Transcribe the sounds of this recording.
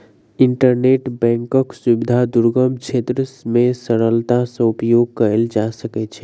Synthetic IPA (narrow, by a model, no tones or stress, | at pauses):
iɳʈəɾneʈbɛ̃ŋkəksubid̪ʱad̪uɾɡəmbt͡ʃʰet̪ɾəsmẽsəɾəlt̪asə̃upjoɡ̚kəeld͡ʒasəkɛt͡ʃʰɛ